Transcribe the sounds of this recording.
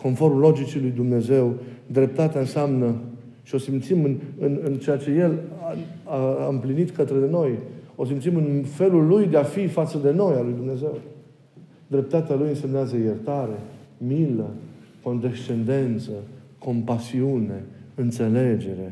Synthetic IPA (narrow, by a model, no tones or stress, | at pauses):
ko̞nfo̞rmlo̞d͡ʒit͡ʃilujd̪umne̞ze̞wd̪ɾe̞p̚t̪at̪eaɨnsamnə | ʃio̞simt̪simɨnɨnɨnt͡ʃejat͡ʃe̞je̞laaɨmplinit̪kət̪ɾe̞no̞jo̞s̬imt̪simɨnfe̞lulːujd̪e̞afifat̪səd̪e̞no̞jalujd̪umne̞ze̞w | d̪ɾe̞p̚t̪at̪ealujɨnse̞mneazəje̞rt̪aɾe̞miləko̞nd̪e̞st͡ʃe̞nd̪e̞nt̪səko̞mpasiune̞ɨnt̪se̞le̞d͡ʒe̞ɾe̞